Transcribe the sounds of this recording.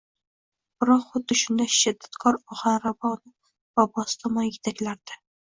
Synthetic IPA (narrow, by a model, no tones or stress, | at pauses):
b̥ɪɾɒχʊd̪ːɪʃʊnd̪aʃɪd̪ːḁt̪kʰɒɾɒʁanɾabɑnɪ | b̥ɒbɒst̪ʰɒmɒjɪt̪ʰakʲlaɾd̪̥ɪ